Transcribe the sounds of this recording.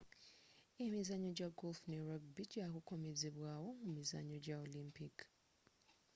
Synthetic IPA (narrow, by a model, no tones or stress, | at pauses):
emizaɲod͡ʒaɡolfneɹaɡbid͡ʒjakukomezeβwawomumiza̰ɲod͡ʒaolĩmpik